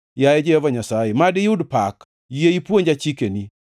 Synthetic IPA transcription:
jajɛd͡ʒeɔvaɲasaemadɪjudpak | jeipuoɲd͡ʒat͡ʃikeni

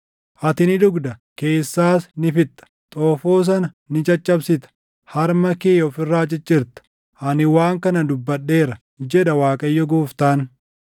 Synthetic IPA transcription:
ʔɐt̪ɪnɪd̪ʊɡd̪ɐke̞ːsːaːsnɪfɪt̪ːɐ̥t̪ʼoːfoːs̬ɐnɐ | nɪt͡ʃʼɐt͡ʃʼːɐbsɪt̪ɐ̥ | hɐɾmɐkeːjɔfɪrːaːt͡ʃʼɪt͡ʃʼːɪɾt̪ɐ̥ | ʔɐnɪwaːŋkɐnɐd̪ʊbːɐɗːe̞ːɾɐ | d͡ʒɛᶑɐwaːkʼɐjːɔɡoːft̪aːn

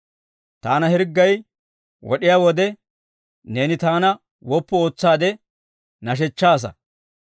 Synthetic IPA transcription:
t̪aːnɐhɪɾɡːɐj | wɔ̰ɗɪjaːwɔd̪ɛ | ne̞ːnɪt̪aːnɐ | wɔpːɔo̞ːt͡sːaːd̪ɛ | nɐʃ̬ɛt͡ʃːaːs̬ɐ̰

